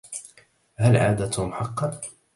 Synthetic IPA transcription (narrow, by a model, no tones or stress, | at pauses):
halʕa̰ːd̪at̪hʊmħɑqːɑn